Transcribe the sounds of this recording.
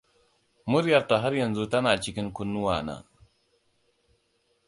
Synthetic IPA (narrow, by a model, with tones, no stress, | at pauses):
mʊ˦ɾjɐ˨rta˨ɦa˦ɾjɐ˨nzu˦tɐ˦naː˨t͡ʃɪ˦kʲɪ˦ŋkʷʊ˦nːʊ˦waː˨na̰ː˨